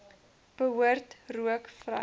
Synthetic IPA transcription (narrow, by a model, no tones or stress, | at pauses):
b̥əɦuərtruəkfrɐ̰